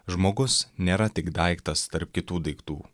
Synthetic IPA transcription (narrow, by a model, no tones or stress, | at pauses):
ʒmoːɡʊsnʲeːɾɐt̪ʲɪkd̪ɐˑɪkt̪ɐst̪ɐɾp̚kʲɪt̪uːd̪ɐɪkt̪uː